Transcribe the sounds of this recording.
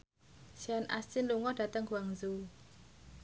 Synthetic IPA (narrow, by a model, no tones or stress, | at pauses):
sanʔa̰st͡ʃinluŋɔd̥a̤t̪əŋɡuaŋzu